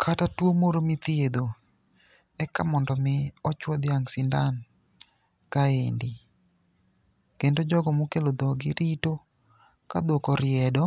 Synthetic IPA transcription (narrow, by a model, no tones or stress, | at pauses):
kʰatatwomoɾomɪt̪jed̪o | ɛkamɔndɔmɪɔt͡ʃwɔd̪jaŋsindan | kaḛndi | kendod͡ʒɔɡɔmukelod̪ɔɡɪɾito | kad̪okɔɾɪɛdɔ